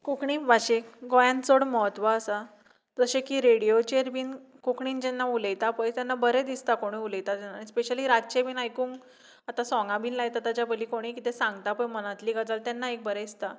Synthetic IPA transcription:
kukɳiːʋaɕekɡɔjãnt͡soɽməɦət̪ʋaəsa | d͡zəɕekiːɾeɽijot͡ɕeɾbʱiːn | kukɳiːnd͡ʑɛnːauləjt̪apəjt̪janːabəɾed̪ist̪akoɽ̃iuləjt̪at̪anaːɽ̃ispeɕəliːɾat͡ɕebʱiːnajkuːŋ | at̪asɔ̃ŋɡãbʱiːnlajt̪at̪at͡ɕjabəliːkoɽ̃ikit̪esãŋɡt̪apəjmənat̪liːɡəd͡zalt̪ɛnːaek̚bəɾeist̪a

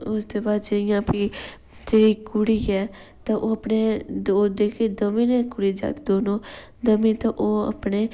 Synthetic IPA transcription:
ʊst̪eːbaːd̪d͡ʒəɪjãːpʰiː | t̪eːɾiːkʊɽiːɛː | t̪ãːʔoːəpneːd̪oːd̪eːkʰeːd̪əmĩːnɛ̃ːkʊɽiːd͡ʒa̰ːd̪ed̪oːnoː | d̪əmĩːt̪ãʔoːə̰pneː

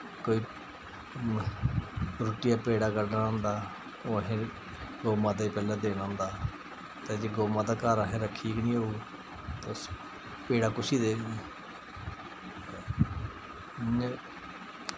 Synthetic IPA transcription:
koːiː | ɾoːʈɪjaːpeːɽaːkəɾɖaːʊ̃nd̪aː | oːɦẽː | ɡoːmaːd̪eːpɛːlãːd̪eːɽaʊ̃nd̪aː | t̪eːd͡ʒeːɡoːmãːd̪aːkaːɾaːɦẽːɾəkʰːiːknĩːoːuː | t̪eʊs | peːɽaːkʊsiːd̪eːi

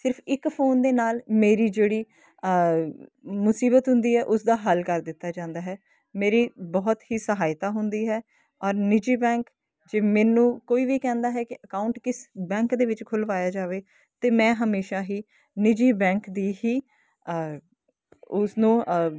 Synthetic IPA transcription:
sɪɾpʰɪkpʰoːnd̪eːnaːlmeːɾiːd͡ʒeːɽiː | mʊsiːbət̪ɦʊ̃nd̪iːɦɛːʔʊsd̪aːɦəlkəɾd̪ɪt̪ːaːd͡ʒãːnd̪aːɦɛː | meːɾiːbɔːt̪ɦiːsəɦaːɪt̪aːɦʊnd̪iːɦɛː | ɔːɾnɪd͡ʒiːbɛ̃ːk | d͡ʒeːmɛ̃ːnũːkoːiːʋiːkɛ̃ːnd̪aːɦɛːkɪʔəkaːʊɳʈkɪsbɛ̃ːŋkd̪eːʋɪt͡ʃkʰʊlʋaːjaːd͡ʒaːʋeː | t̪eːmɛ̃ːɦəmeːʃaːɦiː | nɪd͡ʒiːbɛ̃ːŋkd̪iːɦiː | ʊsnũː

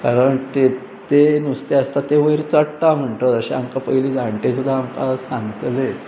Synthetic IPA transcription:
kaɾəɳt̪e | t̪enust̪eəst̪at̪eʋəɾt͡səɽt̪am̤əɳʈ̪əəɕeamkapəiliːd͡zaɳʈesud̪ʱːaːmkasãŋɡt̪le

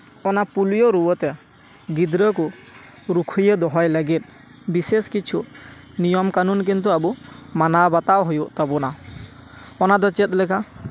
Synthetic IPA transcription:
ɔnapulijɔɾuwɔt̪ɛ | ɡid̪ɾək̬u | ɾukʰujed̪ɔɦɔjlaɡit̪̚ | biseskit͡ʃʰunijɔmkanunk̬int̪uabumanabat̪awɦɔjuʔt̪abɔna | ɔnad̪ɔt͡ʃɛt̪̚lɛkʰa

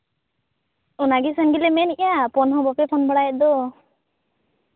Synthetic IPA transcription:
ɔnaɡisanɡilɛmɛniʔjapɔnɦɔbɔpɛpʰɔnbɔɽajɛt̪̚d̪ɔ

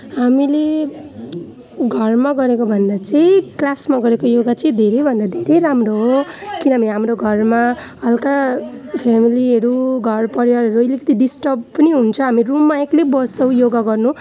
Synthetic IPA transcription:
ɦamile | ɡʱʌrmaɡʌɾekobʱʌnd̪at͡sʌĩklasmaɡʌɾekojoɡat͡sʌĩd̪ʱeɾʌjbʱʌnd̪ad̪ʱeɾejɾamroɦokinʌɦamiɦamɾoɡʱʌrma | ʌlkapʰemiliɦʌɾuɡʱʌrpʌɾjaɾɦʌɾuʌjlikʌt̪iɖisʈʌb̚pʌniɦunt͡sʰʌɦamirumːaeklebʌsʌw̃joɡaɡʌrnũ

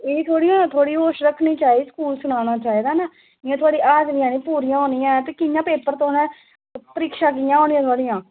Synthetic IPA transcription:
eːt̪ʰoːɽiːãt̪ʰoːɽiːoːʃɾəkʰːniːt͡ʃaːiiːskuːlsʊɽaːɽ̃aːt͡ʃaːiːd̪aːnaː | ɪãːt̪ʰʊaːɽiːʔaːd͡ʒʋiãːnĩːpuːɾijãːɦoːnijãːɛt̪eːkɪjãːpeːpəɾt̪oːnɛ̃ː | pəɾiːkʃaːkɪjãːɦoːñĩːãːt̪ʰwaːɽijãː

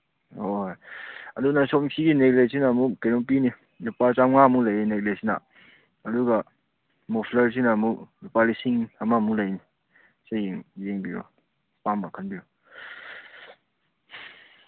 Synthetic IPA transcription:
ojɐdunasɔmsʰiɡineɡlejsʰinamukkenɔŋp̬ini | nupaɾt͡ʃaŋamulɐjineɡlejsʰina̰ | ɐduɡa | mopʰlɐɾs̬inamuknupalisiŋɐmamulɐjni | sajiŋjeŋbiɾo̰ | pambakʰanbiɾu

